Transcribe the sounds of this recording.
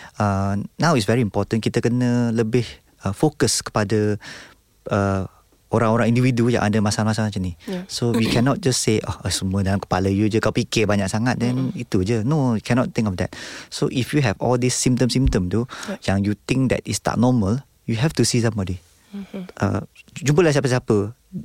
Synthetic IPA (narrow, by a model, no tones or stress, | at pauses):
ənawitsvɛɹĩːmpɔtə̃nkit̪əkənələbɪh | əfokəskə̥padə | ə | oɾãŋoɾãŋĩndividuja̰ʔadəmasalmasaat͡ʃənisowikʰɛnɔt̚d͡ʒasːeʔɔ̰əsəmũədalamkə̥paləjud͡ʒəkawpikɪbaɲak̚saŋat̪̚dɛ̃nit̪ud͡ʒənoikʰɛnɔt̚t̪ːɪ̃ŋkɔfdɛ̰t̚soʔifjuɦɛvɔ̰ldisːĩm̚t̪ə̃msĩmt̪ə̃mt̪ujãŋjut̪ɪ̃ŋk̚d̪ɛ̰tist̪a̰ʔ̚nɔməl | juɦɛft̪usis̬ãmbɔdi | ʔə̰d͡ʒump̬əlas̬iapəs̬apə